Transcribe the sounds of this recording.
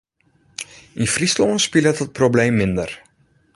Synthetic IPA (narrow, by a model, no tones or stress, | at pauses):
infrislɔənspilətət̚problejmːɪndər